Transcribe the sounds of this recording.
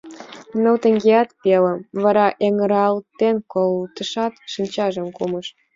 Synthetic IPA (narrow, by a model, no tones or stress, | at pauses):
nəwt̪ə̆ŋɡeɑt̪pelə̆mvɑɾɑʔeŋəɾɑlt̪enkolt̪əʃɑt̪ʃinʲt͡ɕɑʒə̆mkuməʃ